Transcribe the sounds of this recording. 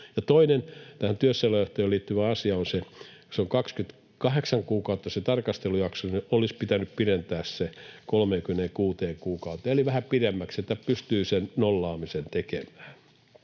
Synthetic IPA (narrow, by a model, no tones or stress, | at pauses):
jɑt̪oinent̪æhænt̪yøsːeilɑjoht̪eːliːt̪ːyʋæɑsiɑonseseoŋkɑkskyt̪ | kɑheksɑŋkuːkɑut̪ːɑset̪ɑrkɑst̪elujɑksonuniolispit̪ænyppirent̪æːssekolmeːŋkymĕneːkuːt̪eːŋkuːkɑut̪ːˑeeliʋæhæpiɾemːækset̪ːæpyst̪yːsennolːɑːmisent̪ekemæ̥ːn